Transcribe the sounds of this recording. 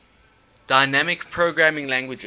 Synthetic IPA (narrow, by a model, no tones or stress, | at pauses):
d̥aɪnæmɪkpʰɹoɡɹamɪ̃ŋlæ̃ŋɡwɪd͡ʒ